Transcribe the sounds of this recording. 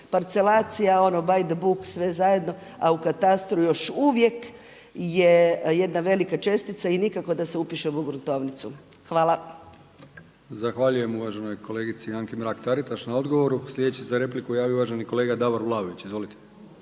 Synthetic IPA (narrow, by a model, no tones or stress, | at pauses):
paɾt̪se̞laːt̪sijao̞nobajd̪abuksʋe̞zaje̞d̪no̞aukat̪ast̪ɾujo̞ʃuʋje̞k | jeje̞d̪naʋe̞likat͡ʃe̞st̪it̪sainikako̞d̪ase̞upiʃemuɡɾut̪o̞ʋnit̪su | xʋaːlˠa | zaxʋaʎuje̞muʋaʒeno̞jko̞leːɡit̪siaŋkimɾakt̪aɾit̪aʃnao̞d̪ɡo̞ʋoɾuslʎʲed̪et͡ɕisezaɾe̞plikujaːʋiouʋaʒeniko̞leːɡad̪aʋoɾʋlˠaːoʋit͡ɕizʋo̞lit̪e